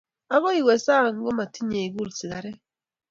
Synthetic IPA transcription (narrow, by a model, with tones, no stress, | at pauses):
a˦ɣɔ˦i˨we˨sa˦˨ŋ̩˦ɡɔ˦ma˨ti˦ɲe˨i˨ɡu˦lsi˨ɣa˨ɾe˦